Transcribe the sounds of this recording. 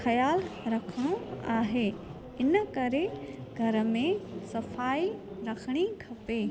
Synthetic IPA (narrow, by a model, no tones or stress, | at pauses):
xɐjaːlɾɐkʰəɽ̃oaːɦe | ɪnəkɐɾeɡʱɐɾə̆mẽsɐfaːi | ɾɐkʰəɽ̃ikʰɐpeː